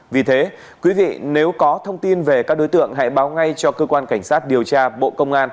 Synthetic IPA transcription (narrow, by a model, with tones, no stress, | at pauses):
vi˨˩t̪ʰe˨˦ | kwi˨˦vḭ˧˨ne˨˦wkɔ˨˦t̪ʰə˧wŋ͡mt̪i˧nve˨˩kaː˦˥k̚ɗo˨˦jt̪ɨ̰˧˨əŋɦa̰ː˧˥˨jɓaː˨˦wŋa˧jt͡ɕɔ˧kəː˧kwaː˧nka˧˩jŋ̟saː˦˥t̚ɗi˨˩əwt͡ɕaː˧ɓo̰˧˨kə˧wŋ͡mʔaː˧n